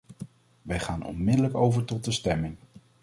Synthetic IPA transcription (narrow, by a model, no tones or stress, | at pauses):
ʋɛjχaːnɔ̰nmɪdələkowvəɹtɔt̚dəstɛmɪŋ